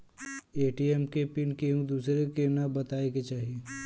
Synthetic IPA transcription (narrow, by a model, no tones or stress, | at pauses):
eːʈiɛmkepɪnkeɦũd̪uːsɾekenabɐt̪aːeket͡ʃaːɦie